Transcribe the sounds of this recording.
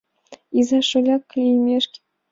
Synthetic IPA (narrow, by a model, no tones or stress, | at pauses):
izɑʃolʲɑkːlʲimʲeʃkʲ